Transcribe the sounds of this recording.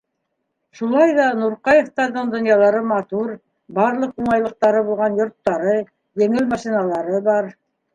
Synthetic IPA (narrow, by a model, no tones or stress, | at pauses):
ʃulˠɑjðɑnuɾqɑjĕft̪ɑɾðɤɴd̪ŏnjɑlˠɑɾɤmɑt̪uɾ | bɑɾlˠɤquɴɑjlˠɤ̆q̚t̪ɑɾɤβulˠʁɑnjŏɾt̪ːɑɾɤ | jɘ̆ŋɘlmɑʃinɑlˠɑɾɤbɑɾ